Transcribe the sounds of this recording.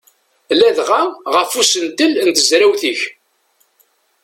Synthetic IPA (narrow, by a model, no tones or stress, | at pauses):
læðʁaʁəfusənt̪əlnt̪əzɾæwθiç